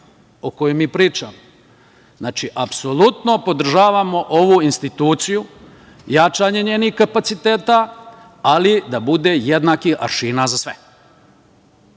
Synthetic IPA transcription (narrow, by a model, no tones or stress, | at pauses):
okojemːiːpɾiːt͡ʃamo | znaːt͡ʃiʔapso̞lˠut̪no̞po̞d̪r̩ʒaːʋamo̞ʔo̞ʋuinst̪it̪uːt̪siju | jat͡ʃaɲe̞ɲeːnixkapat̪sit̪eːt̪a | alid̪abud̪ejed̪nakixa̰ɾʃiːnazasʋe